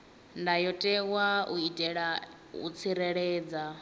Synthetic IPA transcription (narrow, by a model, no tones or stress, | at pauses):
ndajɔtʼɛwauitʼɛɺa | ṵt͡sʰiɾɛɺɛːd͡za